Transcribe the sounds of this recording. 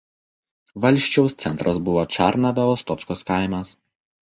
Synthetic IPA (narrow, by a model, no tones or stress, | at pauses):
ʋɐlʲˑʃʲt͡ʃʲɛʊst̪sʲɛnt̪ɾʔɐsbʊʋoːt͡ʃɑ̰ˑɾnɐbʲɛɔst̪ɔt̪skoːskaˑɪmʲɐs